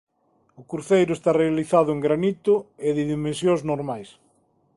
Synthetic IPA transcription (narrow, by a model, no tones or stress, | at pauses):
ʊkuɾθejɾʊest̪arealiθaðʊeŋɡɾanit̪ʊeðɪðimẽnsjõŋznoɾmajs